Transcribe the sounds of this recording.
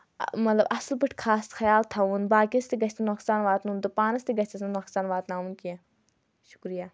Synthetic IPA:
mɐt̪lɐbɐslbɨʈʰʲkʰaːsxɐjaːlt̪ʰɐʋunbaːkiɐst̪iɡɐt͡ʃʰt̪inoxsaːnʋaːt̪nunt̪upaːnɐst̪iɡɐt͡ʃʰɐsnɐnoxsaːnʋaːt̪naːunkie | ʃu̥kɾijaː

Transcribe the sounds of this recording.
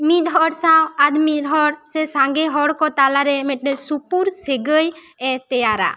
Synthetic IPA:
mid̪ʱɦɔɾsawad̪miɾɦɔɽsɛsãŋɡɛɦɔɽkɔt̪alaɾɛmɛʈ̚ˀnɛsupuɾseɡəj | ɛt̪ɛjaɾa̰

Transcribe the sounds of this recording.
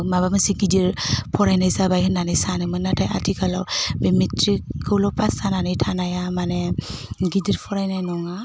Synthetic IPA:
mabamɯsiɡidiɾpʰɔɾajnajsabajhɯnanajsanajmɯnːatʰaja̰tʰikʰalawbemitʰɾikʰɯwlɔpʰasananajtʰanajamaneɡidiɾpʰɔɾajnajnɔŋa

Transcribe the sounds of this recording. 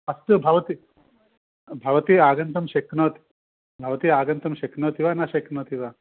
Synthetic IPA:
ɐst̪ubʱɐʋɐt̪iː | bʱɐʋɐt̪iːaːɡɐnt̪ɐmʃeknɐt̪ | bʱɐʋɐt̪iːaːɡɐnt̪ɐmʃeknɐːt̪iʋanaʃeknɐːt̪iʋa

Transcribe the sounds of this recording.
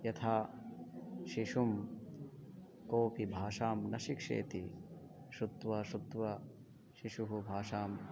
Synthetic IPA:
jɐt̪ʰaː | ʃiʃum | koːpibʱaːʂaːmnɐʃikʂḛːt̪i | ʃut̪ʋɐʃut̪ʋɐ | ʃiʃuɦubʱaːʂaːm

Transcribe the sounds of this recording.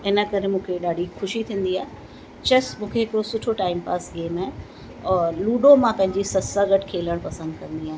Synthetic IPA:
ɪnə̆kɐɾemũːkʰeɗaːɖʱixʊʃit̪ʰĩːn̆d̪iaːɦe | t͡ɕɐsmũːkʰeɪkɪɾosʊʈʰoʈaːɪmpaːsɡeːmaː | luːɗomãpɐ̃ɦɪ̃ɲd͡ʑisɐsaɡɐʈʰkʰeːləɽ̃pɐsə̃nd̪kɐ̃nd̪iaːɦe

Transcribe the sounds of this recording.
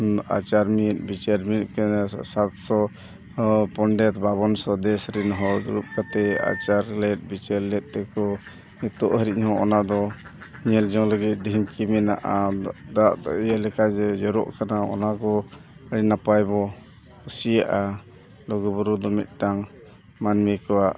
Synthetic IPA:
a̰t͡ʃaɾmit̪̚ˀbit͡ʃəɾmit̪̚kɛsat̪sɔ | pɔɳɖɛt̪baβɔnsɔd̪ɛsɾinɦɔuɾup̚kat̪ɛa̰t͡ʃaɾlɛt̪̚bit͡ʃɛɾlɛt̪̚ˀt̪ɛkɔ | it̪ɔʔɦəɾiʔ̚hɔ̃ɔnad̪ɔɲɛld͡ʒɔŋləɡit̪̚ˀɖiŋkimina̰ʔad̪aʔɔijalɛkad͡ʒɛd͡ʒɔɾɔ̰ʔkanaɔ̰nakɔ | əɽinapajbɔ | kusijaʔa | lɔɡɔbuɾud̪ɔmḭt̪̚ˀʈaŋ | manmikɔwaʔ

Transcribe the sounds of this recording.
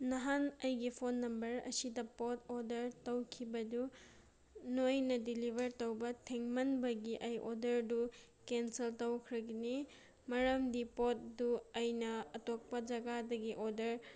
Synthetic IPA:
nɐɦanɐjɡipʰonːɐmbɐɾɐ̰sidɐpot̚ʰodɐɾtɐwkʰibɐdu | nojnɐdilibʱɐɾtɐwbɐtʰeŋmɐnbɐɡiʔɐjʔodɐɾdu | kenseltɐwkʰɾɐɡini | mɐɾɐmdipot̚duɐjnɐːtok̚pɐd͡ʒɐɡadɐɡiʔodɐɾ

